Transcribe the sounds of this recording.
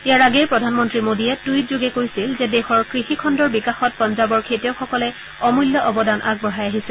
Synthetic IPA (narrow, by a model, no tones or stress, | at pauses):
ijaɹaɡɛjpɹɔdʱanmɔntɹimodijɛtujtzoɡɛkojsilzɛdɛxɔɹkɹixikʰɔndɔɹbikaxɔt̚pɔnzabɔɹkʰetjɔxɔkɔlɛ | ɔmuljɔʔɔbɔdanʔaɡ̚bɔɦajaɦisɛ